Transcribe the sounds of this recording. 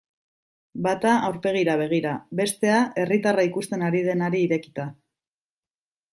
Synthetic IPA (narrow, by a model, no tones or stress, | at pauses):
bat̪aːwɾpe̞ɣ̞iɾaβ̞e̞ɣ̞iɾaβe̞st̪e̞ae̞rit̪araikust̪e̞naɾið̞e̞naɾiːɾe̞ki̥t̪a